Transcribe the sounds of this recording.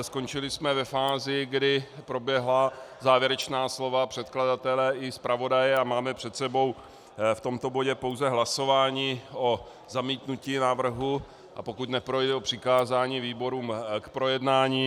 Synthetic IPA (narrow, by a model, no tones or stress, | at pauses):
sko̞nt͡ʃɪlɪsmɛvɛfaːzɪɡdɪpɾo̞bjɛɦlazaːvjɛɾɛt͡ʃnaːslo̞vapr̥ɛt̪kladat̪ɛlɛɪspɾavo̞dajɛamaːmɛpr̝̥ɛt̪sɛbo̞w | ft̪o̞mt̪o̞bo̞ɟɛpo̞wzɛɦlaso̞vaːɲiːo̞ | zamiːt̪nuciːnavr̩ɦu | ʔapo̞kut̪nɛpɾo̞jdɛopr̝̥ɪkaːzaːɲiːviːbo̞ɾuːmkpɾo̞jɛdnaːɲiː